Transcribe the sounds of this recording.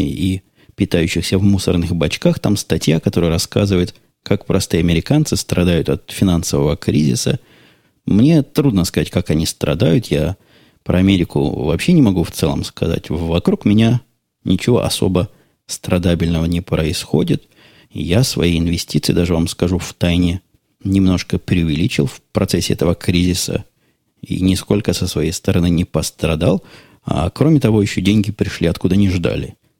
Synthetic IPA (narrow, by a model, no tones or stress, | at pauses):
i | pʲɪt̪ajʉɕːɪxsʲəvmusərnɨxbɐt͡ɕkaxt̪amst̪ɐtʲjakɐt̪o̞ɾɨjəɾɐskazɨvəjʊt̪ | kakpɾɐst̪ɨɐmʲɪɾʲɪkant̪sɨst̪ɾʔɐd̪ajʊt̪ɐt̪fʲɪnansəvəvəkɾʲizʲɪ̰sə | mnʲe̞t̪ɾud̪nəskɐzatʲkakɐnʲist̪ɾɐ̰d̪ajʊt̪ja | pɾʔəɐmʲeɾʲɪkʊ̰vɐ̰pɕːenʲɪmɐɡuft̪sɛlˠə̰mskɐ̰za̰tʲvɐkɾukmʲɪnʲa | nʲɪt͡ɕɪvo̞̰ʔɐso̞̰bə | st̪ɾɐd̪abʲɪlʲnəvənʲɪpɾəɪsxo̞dʲɪt̪ | jasvɐ̰jejɪnvʲɪsʲtʲit̪sɨjd̪aʐɨvamskɐʐuft̪ajnʲɪ | nʲɪmno̞ʂkəpɾʲɪʊvʲɪlʲit͡ɕɪlˠfpɾɐt̪sɛsʲːɪɛ̰t̪əvəkɾʲizʲɪsə̰ | ḭnʲɪsko̞lʲkəsəsvɐjejst̪əɾɐnɨnʲɪpəst̪ɾɐd̪alˠ | a̰kɾo̞mʲɪt̪ɐvo̞jɪɕːodʲenʲɡʲɪpɾʲɪʂlʲiɐt̪kud̪ənʲɪʐd̪a̰lʲɪ̰